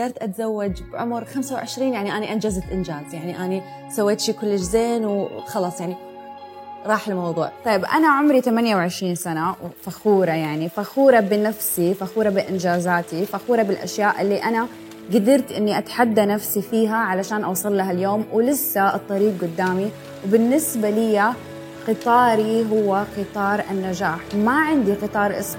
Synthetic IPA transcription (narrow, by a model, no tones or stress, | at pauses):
d̪ɑːɾˤt̪ʔat̪zawːad͡ʒbʕʊ̰mɾxamsawʕɪʃɾiːnjaʕniʔaniʔand͡ʒazat̪ʔɪnd͡ʒaːzjaʕniʔani | sawːeːt̪ʃiːkʊlːɪʃzeːnwxɑlɑsˤjaʕni | ɾˤɑːħɪlmɑwðˤuːʕt̪ˤɑjːɪbʔa̰naʕʊmɾit̪amanjawʕɪʃɾiːnsanawfaxuːɾˤɑjaʕnifaxuːɾˤɑbɪnafsifaxuːɾˤɑbɪʔɪnd͡ʒaːzaːt̪ifaxuːɾˤɑbɪlʔa̰ʃjaːʔɪlːiʔana | ɡad̪ɪɾt̪ʔɪnːiʔat̪ħad̪ːanafsifiːɦaʕalaʃaːnʔɑwsˤɑlːaɦaljoːmwɪlɪsːaɨt̪ˤːɑɾiːq̚ɡʊd̪ːaːmi | wbɪnːɪsbalɪjːa | qɨt̪ˤɑːɾiɦʊwːaqɨt̪ˤɑːɾˤʔanːad͡ʒaːħmaʕɪnd̪iqɨt̪ˤɑːɾˤʔɪ̰s